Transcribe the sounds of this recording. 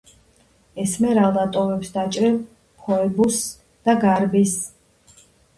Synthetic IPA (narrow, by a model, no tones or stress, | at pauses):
ɛsmɛɾalˠd̪at̪ʼɔvɛpsd̪at͡ʃʼɾɛl | pʰɔɛbus | d̪̥aɡaɾbis